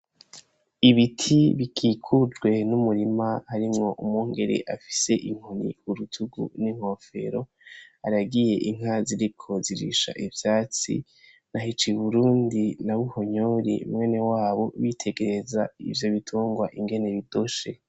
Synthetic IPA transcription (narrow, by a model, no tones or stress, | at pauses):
iβitʰiβikʰiːkʰud͡ʒɡwe̞numuɾimahaɾimŋo̞ʔumuːŋɡe̞ɾe̞̰ʔafi̥se̞ʔiŋ̥hunḭuɾutʰuɡṵniŋ̥o̞fe̞̰ɾo̞ | haɾaɡije̞ʔiŋaziɾikʰo̞ziɾḭʃa̰ʔivjaːt͡sḭ | naɦit͡ʃiuβuɾuːndinaβuho̞ɲoɾḛmŋe̞ːne̞waːβo̞βitʰe̞ɡe̞ɾzaḭvjo̞βitʰuːŋɡwaʔiŋɡe̞ne̞βidoʃe̞̰